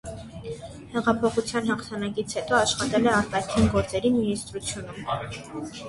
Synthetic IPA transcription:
hɛʁɑpʰɔχut͡sʰjɑn̪ɦɑχt̪ʰɑnɑkit͡sʰhɛt̪ɔɑʃχɑt̪ɛlɛɑɾt̪ɑkʰinɡɔɾt͡sɛɾiminist̪ɾut͡sʰjunum

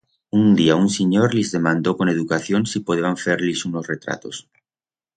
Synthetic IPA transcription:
und̪iaunseɲoɾlizðe̞mãnd̪okoneðukaθjonsipoð̞eaɱfeɾlisunosret̪ɾa̰t̪os

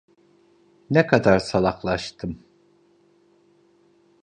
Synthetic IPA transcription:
nɛkʰad̪aɾsalˠaxlˠaʃt̪ʰɯm

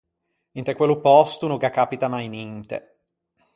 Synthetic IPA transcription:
int̪ekwelupɔst̪unoɡakapit̪amajnint̪ḛ

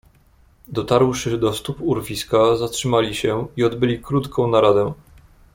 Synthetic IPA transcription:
d̪ɔt̪aɾwʂɘd̪ɔst̪upuɾvʲiskazatʂɘmalʲiɕɛiɔd̪bɘlʲikɾut̪kɔ̃w̃naɾad̪ɛ

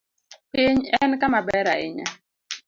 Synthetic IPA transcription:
pɪɲɛnkamabɛɾa̰ɪ̰ɲa

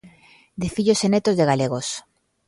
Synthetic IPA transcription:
d̪efiʎosenet̪ozðeɣaleɣ̞os

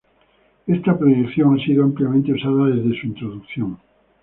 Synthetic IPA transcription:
est̪apɾojekθjoŋasiðoampljamẽnt̪eusaðaðezðesuint̪ɾoðukθjõŋ

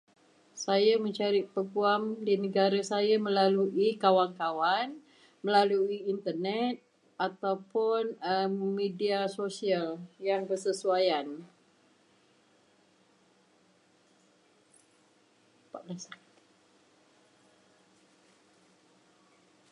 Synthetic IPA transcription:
sajamə̃ɲt͡ʃaɾiʔpəɡuamdinəɡaɾasajamə̃laluʔikawankawan | mə̃laluiint̪ərnɛt̪̚ | at̪awpʊnəmediasosialjaŋbərsəsuajan | pablas

